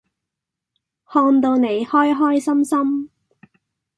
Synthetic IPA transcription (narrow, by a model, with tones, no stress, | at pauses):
hɔː˧nt̪o˧wne˨˧jhɔː˥jɦɔː˥jsɐ˥msɐ˥m